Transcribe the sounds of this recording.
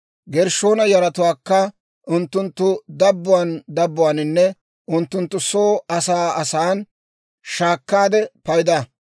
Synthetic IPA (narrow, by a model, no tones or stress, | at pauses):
ɡɛɾʃo̞ːnɐjɐɾɐt̪ʊwaːkːɐ | ʔʊnt̪ːʊnt̪ːʊd̪ɐbːʊwand̪ɐbːʊwaːnɪnːɛ | ʔʊnt̪ːʊnt̪ːʊsoːɐsaːɐsaːn | ʃaːkːaːd̪ɛpɐjd̪ɐ